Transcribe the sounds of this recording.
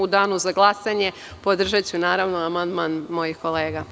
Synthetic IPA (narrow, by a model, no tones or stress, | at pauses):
ud̪aːnuzaɡlˠasaɲe̞ | po̞d̪r̩ʒat͡ɕunaːɾaʋnoamand̪manmo̞jixko̞le̞ːɡa